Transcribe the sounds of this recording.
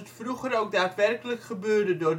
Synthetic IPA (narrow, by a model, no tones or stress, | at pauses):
ətfruχərowk̚daːtʋɛrkələkχəbøːrdədʊːr